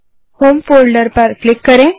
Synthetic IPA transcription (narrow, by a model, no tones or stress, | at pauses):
homfolɖəɾpəɾklikːəɾẽ